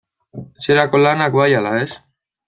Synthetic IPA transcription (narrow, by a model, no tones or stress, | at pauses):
seɾako̞lanakβajalaes